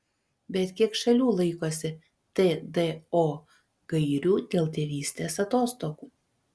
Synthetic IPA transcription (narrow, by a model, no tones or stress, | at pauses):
bʲɛt̪kʲiɛkʃɐlʲuːlˠɐɪkoːsʲɪ | t̪ed̪eoː | ɡɐɪɾʲuːd̪ʲeːlˠt̪ʲeːʋʲiːsʲt̪ʲeːsɐt̪oːst̪oːkuː